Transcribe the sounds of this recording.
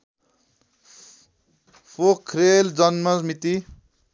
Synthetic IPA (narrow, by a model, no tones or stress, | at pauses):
fokʰːɾeld͡zʌnmʌsmit̪i